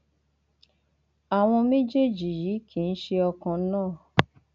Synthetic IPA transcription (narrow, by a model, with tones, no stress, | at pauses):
a˨w̃ɔ̃˧me˦d͡ʒe˦˨d͡ʒi˨jiː˨˦kʰi˨˧n̩˦ʃe˧ɔ˧kã˧˦nãː˦˨